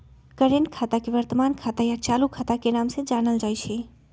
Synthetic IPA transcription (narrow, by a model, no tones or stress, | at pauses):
kəɾenkʰaːt̪akeʋəɾt̪əmaːnkʰaːt̪ajat͡ʃaːlukʰaːt̪akenaːmsed͡ʒaːnəld͡ʒaːjt͡ʃʰe